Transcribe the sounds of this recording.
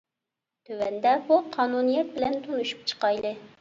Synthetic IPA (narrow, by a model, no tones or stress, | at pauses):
t̪ʰøwɛnd̪ɛbuqʰɑːnunijɛt̪̚bɪlɛnt̪ʰunuʃy̥p̚t͡ʃʰə̥qɑjlˠɨ